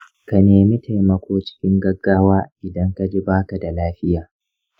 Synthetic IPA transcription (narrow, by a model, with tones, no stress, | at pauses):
ka˨neː˨mi˦tʰa˨jmɐ˨kʷoː˦t͡ʃɪ̥˦kʲɪ˦ŋɡɐ˦ɡːaː˦waː˦ʔɪ˨dɐ˦ŋka˦˨d͡ʒi˦baː˦ka˨da˨laː˦ɸɪ˦jaː˨